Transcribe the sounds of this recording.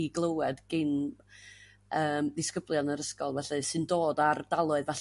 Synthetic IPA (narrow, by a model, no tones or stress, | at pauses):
iɡlˠəwɛdɡ̥ɪn | əːmdɪskəblˠjɔnəɾəskɔlˠvɛɬɨsɨndoːdardalˠʊɨðvɛɬ